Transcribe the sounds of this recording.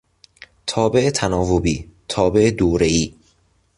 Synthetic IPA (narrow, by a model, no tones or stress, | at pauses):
t̪ʰɒːbeʔet̪ʰænɒːvobiːt̪ʰɒːbe̞ʔed̪oːɾeiː